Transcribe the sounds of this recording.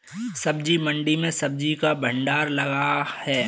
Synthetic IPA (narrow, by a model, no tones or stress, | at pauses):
sɐbd͡ʒimɐ̃ɳɖimẽsɐb̚d͡ʒikabʱə̃ɳɖaːɾlɐɡahɛː